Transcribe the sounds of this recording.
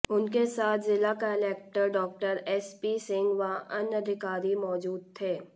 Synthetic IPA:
ʊnkesaːt̪ʰzɪlakaːlɛːk̚ʈəɾɖɔːk̚ʈəɾɛspiːsɪ̃ŋɡʋaʔɐnɐd̪ʱɪkaːɾimɔːd͡ʒuːd̪̚t̪ʰeː

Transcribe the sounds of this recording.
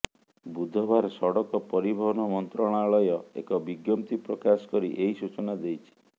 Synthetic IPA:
bud̪ʱɔbaɾsɔɽɔkɔpɔɾibʱɔɦɔnɔmɔnt̪ɾɔɽ̃aːɭɔjɔḛkɔbiɡjɔmt̪ipɾɔkasɔ̥kɔɾiʔeɦisut͡ʃɔnad̪ejt͡ʃʰi̥

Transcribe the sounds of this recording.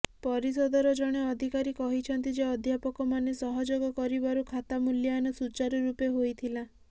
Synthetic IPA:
pɔɾisɔd̪ʱɔɾɔd͡ʒɔɽ̃eɔd̪ʱikaɾikɔɦit͡ʃʰɔnt̪id͡ʒeɔd̪ʱjapɔkɔmanesɔɦɔd͡ʒoɡɔkɔɾibaɾukʰat̪amuljɔanɔsut͡ʃaɾɔɾupeɦojt̪ʰila

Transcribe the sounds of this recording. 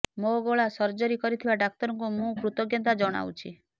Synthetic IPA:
moɡoɭasɔɾd͡ʒɔɾikɔɾit̪ʰibaɖak̚t̪ɔɾɔŋkumũkɾut̪ɔɡjɔnt̪ad͡ʒɔɽ̃a̰wt͡ʃʰi

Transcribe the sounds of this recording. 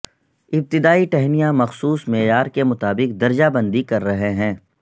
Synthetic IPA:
ɪb̚t̪ɪd̪aːiʈɛɦmijãmɐxsuːsmɛːjaːɾkemʊt̪aːbɪqd̪ɐɾd͡ʒabɐ̃nd̪ikɐɾːɐɦeɦɛ̃ː

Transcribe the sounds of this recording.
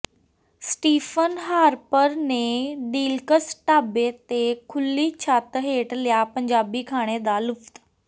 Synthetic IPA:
sʈiːfənɦaːɾpəɾnẽːɖiːlkəsʈaːbet̪ekʰʊlːit͡ʃʰaːt̪ɦeːʈlɪjapɐ̃ɲd͡ʒaːbikʰaːɽ̃ed̪alʊft̪

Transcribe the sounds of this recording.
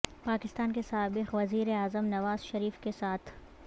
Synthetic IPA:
paːkɪst̪aːnkesaːbɪqʋɐziːɾeaːzəmnɐʋaːz̥ʃɐɾiːfkesaːt̪ʰ

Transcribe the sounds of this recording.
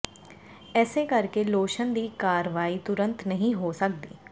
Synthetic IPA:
ɛːseːkəɾkeːloːʃənd̪iːkaːɾʋaːiːt̪ʊɾə̃nt̪nəɦĩːɦoːsək̚d̪ḭː

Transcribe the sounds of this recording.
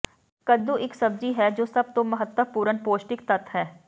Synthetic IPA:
kəd̪uːʔɪksəb̚d͡ʒiːɦɛːd͡ʒoːsəb̚t̪õːməɦət̪ːəpuːɾənpoːsʈɪkt̪ət̪ɦɛː

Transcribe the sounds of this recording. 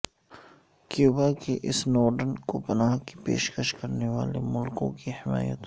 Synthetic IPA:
kjuːbakiʔɪsnɔːɾɖənkopɐnaːɦkipḛːʃkəʃkɐɾneʋaːlemʊlkõ̰kihɪma̰ːjə̰t̪

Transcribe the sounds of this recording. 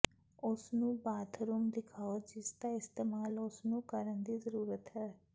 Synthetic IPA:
ʊsnũːbaːt̪ʰɾuːmd̪ɪkʰaːod͡ʒɪsd̪aːɪst̪eːmaːlʊsnũːkəɾənd̪iːzəɾuːɾət̪ɦɛː

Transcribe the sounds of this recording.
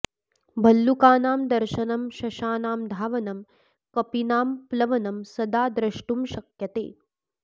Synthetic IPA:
bʱɐlːukaːnaːmd̪ɐɾʃɐnɐmʃɐʃaːnaːmd̪ʱaːʋɐnɐm | kɐpinaːmplɐʋɐnɐmsɐd̪aːd̪ɾɐʂʈumʃɐkjɐt̪ḛː

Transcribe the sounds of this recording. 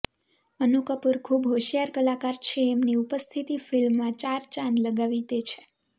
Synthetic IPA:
ənukəpuɾkʰubɦoʃijaɾkəlakaɾt͡ʃʰeːmniupəst̪ʰit̪ifilmːãt͡ʃaɾt͡ʃãnləɡaʋit̪et͡ʃʰe̥

